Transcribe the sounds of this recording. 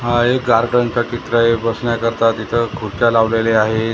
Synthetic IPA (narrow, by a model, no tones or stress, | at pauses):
ɦekɡaɾɡəɳt͡ɕat͡ɕit̪ɾaebəsɳjakəɾt̪at̪it̪ʰəkʰuɾt͡ɕalaʋleleaɦe